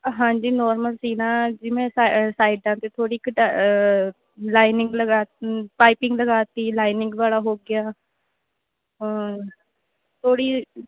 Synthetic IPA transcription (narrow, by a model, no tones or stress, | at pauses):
ɦãːd͡ʒiːnɔːɾməlsiːnãːd͡ʒɪmẽːssaːɪɖãːt̪eːt̪ʰoːɽiːkəʈa | laːɪnɪ̃ŋɡləɡaːpaːɪpɪ̃ŋɡləɡaːt̪iːlaːɪnɪ̃ŋɡʋaːlaːɦoːɡɪaː | t̪ʰoːɽiː